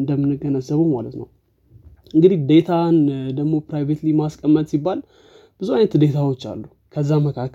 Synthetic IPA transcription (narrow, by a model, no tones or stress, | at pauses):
nd̪əmːɨnːɨɡənəzːəβumalət̪nə̰w | ʔɨŋɡɨd̪ihd̪e̞t̪ʰand̪əɡmo̞pɾajvet̪limaskʼəmːət̪ʼsibːal | b̥ɨzuajnət̪d̪e̞t̪ʰawo̞t͡ʃːa̰lːu | kʰəzːaməkʰakː